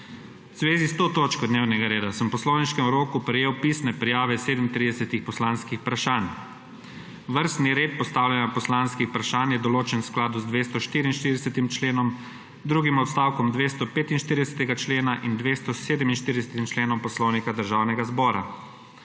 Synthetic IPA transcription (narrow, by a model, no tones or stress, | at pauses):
wz̥ʋeːzist̪oːt̪oːt͡ʃkɔd̪neːwnɛɡaɾeːd̪asəmpɔslɔwniʃkɛmɾoːkupɾɛjeːwpisnɛpɾɛjaːʋɛseːd̪mt̪ɾiːd̪ɛsɛt̪ixpɔslanskixpɾaʃaːn | ʋəɾst̪niɾeːt̪̚pɔst̪aːwljɛnjapɔslanskixpɾaʃaːnjɛd̪ɔloːt͡ʃɛnwsklaːd̪uzd̪ʋeːst̪ɔʃt̪iːɾinʃt̪iɾd̪ɛsɛt̪imt͡ʃleːnɔm | d̪ɾuːɡimɔt̪st̪aːwkɔmd̪ʋest̪ɔpeːt̪inʃt̪iːɾid̪ɛsɛ̥t̪ɛɡat͡ʃleːnaʔind̪ʋeːst̪ɔseːd̪əminʃt̪iɾd̪ɛsɛt̪imt͡ʃleːnɔmpɔslɔwnikad̪əɾʒaːwnɛɡazbɔːɾa̰